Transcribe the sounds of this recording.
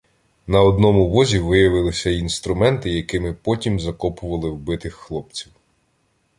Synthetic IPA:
nɐɔd̪nɔmʊʋɔzʲiʋɪjɐʋɪlˠɪsʲɐinst̪ɾʊmɛnt̪ɪjɐkɪmɪpɔtʲimzɐkɔpʊʋɐlˠɪwbɪt̪ɪxːlˠɔp̚t͡sʲiw

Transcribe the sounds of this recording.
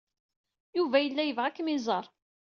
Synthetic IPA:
juvæjəlːæjəvʁakːmizˤɑɾˤ

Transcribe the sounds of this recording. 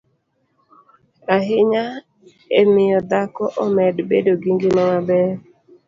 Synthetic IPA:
aɦɪɲa | emɪjɔd̪akɔʔomɛdbedoɡiŋɡɪmɔmabɛ

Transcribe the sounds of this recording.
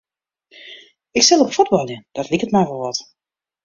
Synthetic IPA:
ɪkstɛlˠokəfudbɑlˠjəd̥ɑtlikətmajvɔlˠʋɑt

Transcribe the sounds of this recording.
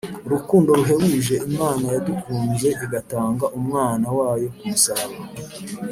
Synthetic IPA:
ɾukuːndo̞ɾuɦe̞wuʒe̞ʔimaːnajadukuːnze̞ʔiɡataːŋɡaʔumŋaːnawaːjo̞kumusaːβa

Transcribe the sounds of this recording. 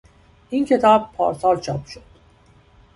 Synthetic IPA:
ʔincʰe̞t̪ʰɒːb̚pʰːɒ̰ːɾsɒːlt͡ʃʰɒːpʃod̪̥

